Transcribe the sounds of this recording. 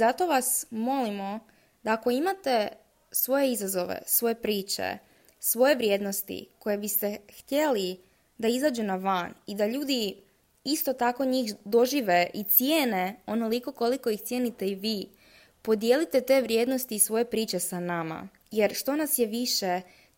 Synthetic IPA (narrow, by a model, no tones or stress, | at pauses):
zat̪o̞ʋasmo̞limo̞ | d̪aːko̞imat̪e̞ | sʋo̞je̞izazo̞ʋḛsʋo̞je̞pɾiːt͡ʃḛ | sʋo̞je̞ʋɾjed̪no̞st̪ḭko̞jebist̪e̞xt̪je̞li | d̪aizaːd͡ʒunaʋanid̪aʎuːd̪i | ist̪ot̪ako̞ɲiːxd̪o̞ʒiːʋe̞ʔit̪sjeːne̞o̞no̞liko̞ko̞liko̞ixt̪sje̞ːnit̪e̞iʋiː | po̞d̪je̞lit̪e̞t̪e̞ːʋɾʲje̞d̪no̞st̪iːsʋo̞je̞pɾiːt͡ʃe̞sanama̰ | jeɾʃt̪o̞nasjeʋiʃe